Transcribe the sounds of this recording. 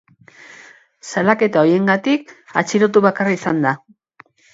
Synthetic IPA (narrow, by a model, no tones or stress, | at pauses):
salake̞t̪ao̞je̞ŋɡat̪ika̰t͡ʃiɾot̪̬uβakaraisand̪a